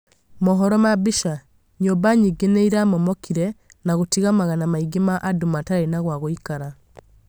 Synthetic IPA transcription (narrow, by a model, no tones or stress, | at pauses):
mɔɦɔɾɔmabiʃa | ɲobaɲiɡeneiɾamɔmɔkʰiɾɛ | naɣotiɣamaɣanamaiɡemaʔːdomataɾainaɣwaɣoikaɾa